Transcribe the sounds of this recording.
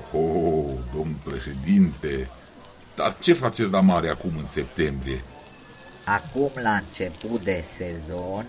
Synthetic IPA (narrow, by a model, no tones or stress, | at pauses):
od̪o̞mnulpɾe̞ʃe̞d̪int̪e̞ | d̪̥a̰rt͡ʃe̞fat͡ʃesʲd̪amaɾeakumɨnse̞p̚t̪e̞mbɾije̞ | akumlaɨnt͡ʃe̞put̪̚d̪e̞se̞zonʲ